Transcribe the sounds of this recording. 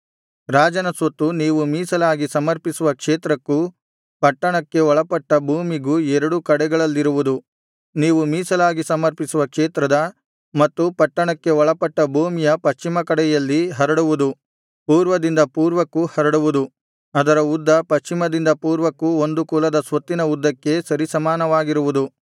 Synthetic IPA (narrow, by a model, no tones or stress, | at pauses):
ɾaːd͡ʒɐnɐsɐt̪ːuniːʋumiːsɐlaːɡisɐmɐɾpisuʋɐkʂeːt̪ɾɐkːu | pɐʈːɐɳɐkːe̞ɔɭɐpɐʈːɐbʱuːmiɡuɛɾɐɽukɐɽɛɡɐɭɐlːiɾuʋud̪u | niːʋumiːsɐlaːɡisɐmɐɾpisuʋɐkʂeːt̪ɾɐd̪ɐ | mɐt̪ːupɐʈːɐɳɐkːe̞ɔɭɐpɐʈːɐbʱuːmijɐpɐst͡ʃimɐkɐɽɛjɐlːiɦɐɾɐɽuʋud̪u | puːɾʋɐd̪ind̪ɐpuːɾʋɐkːuhɐɾɐɽuʋud̪u | ɐd̪ɐɾɐud̪ːɐpɐst͡ʃimɐd̪ind̪ɐpuːɾʋɐkːuo̞nd̪ukuːlɐd̪ɐsʋɐt̪ːinɐud̪ʱːɐkːe̞sɐɾisɐmaːnɐʋaːɡiɾuʋud̪u